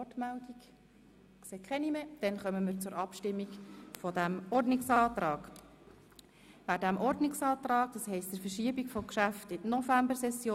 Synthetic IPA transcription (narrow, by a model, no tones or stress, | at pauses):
ɔtmældik | kseːkχɛnimed̥ɛnχœməmɪːɾt͡sʊɾʔɑpʃtɪmːikfɔdæmɔɾdnɪksɑːt̪ɾɑːɡ | ʋædæmʔɔɾdnɪksɑːt̪rɑːk̚d̥ɑshɛɪstəfəʃiəbikfɔmkʃæftɪdnɔfæmbəɾsɛsjoː